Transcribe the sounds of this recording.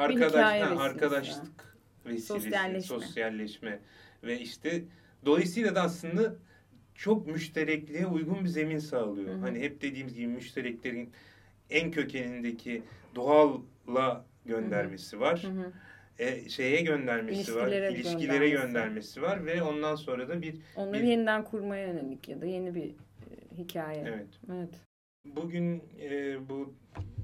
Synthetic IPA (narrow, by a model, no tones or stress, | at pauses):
aɾkad̪aaaɾkʰad̪aʃlˠɯk | vesiːlʲeso̞sjalʲːɛʃmɛ | vɛiʃt̪ʰɛ | d̪o̞lˠajɯsɯjlˠad̪aːslˠɯnd̪a | t͡ʃʰo̞k̚myʃt̪ʰe̞ɾɛclʲijɛujɡunbize̞minsaːlˠɯjohaniɦɛp̚d̪̥e̞d̪iːmizɟibimyʃt̪ʰe̞ɾɛclʲe̞ɾin | æncʰø̞cʰelʲind̪ecʰid̪oalˠː | a | ɟø̞nd̪æɾme̞sivaɾ̥ | ʃe̞jɛɟø̞nd̪æɾmesivaɾlʲeɾɛilʲiʃcʰilʲe̞ɾɛɟønd̪æɾme̞sivaɾvɛo̞nd̪anso̞nɾad̪abiɾo̞nlˠɾjenid̪ænkʰuɾmajaønelʲicjad̪aje̞nibiɦicʰaːjɛevɛt̪evɛt̪ | buɟynɛːbu